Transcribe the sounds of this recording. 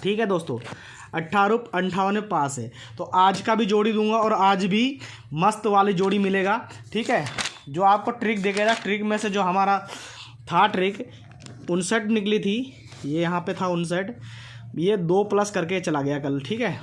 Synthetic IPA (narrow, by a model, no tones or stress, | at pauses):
ʈʰiːkɦɛd̪oːst̪õ̰ː | ɐʈʰːaːɾʊpɐ̃ɳʈʰaːʋnepaːsɦɛː | t̪oʔaːd͡ʒkabʱid͡ʒoːɽid̪ũːŋɡaɔːɾaːd͡ʒbʱi | mɐst̪ʋaːlid͡ʒoːɽimɪleːɡaː | ʈʰiːkɦɛːd͡ʒoːaːp̚koʈɾɪk̚d̪eːkʰeɡaʈɾɪkmẽsed͡ʒoːɦɐmaːɾa | t̪ʰaʈɾɪk | ʊnsəʈnɪklit̪ʰi | jejɐɦãpet̪ʰaʊns̬əʈ | jed̪oːplɐskɐɾket͡ʃɐlaɡɐjakɐlʈʰiːkɦɛː